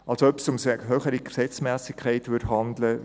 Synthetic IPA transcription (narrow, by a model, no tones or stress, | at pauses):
ʔɑlsoœpsʊmsɦøːχəɾiksɛt͡smæːsɪkʰːaɪtʋʏdhɑndlə